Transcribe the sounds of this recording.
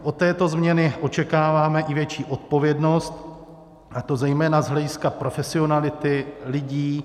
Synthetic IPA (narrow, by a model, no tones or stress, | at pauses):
ʔot̪ːɛːt̪o̞zmɲɛnɪʔo̞t͡ʃɛkaːvaːmɛʔɪvjɛt͡ʃiːʔo̞t̪̚po̞vjɛdno̞st̪ | ʔat̪o̞zɛjmɛːnazɦlɛɟɪskapɾo̞fɛsɪo̞nalɪt̪ɪlɪɟiː